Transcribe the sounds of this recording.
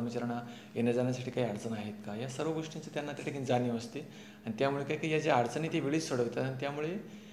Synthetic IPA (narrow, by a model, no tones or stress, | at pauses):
əmit͡ɕəɾaɳa | enad͡zanjasaʈʰiːkaɦiːaɾd͡zənaɦet̪kajasəɾʋəɡoʂʈint͡sət̪janːat̪jaʈʰikind͡zanəʋəst̪e | anit̪jamuɭekajkijad͡ʑeaɾd͡zənet̪eʋeɭiːd͡zsoɽəʋt̪at̪añit̪jamuɭe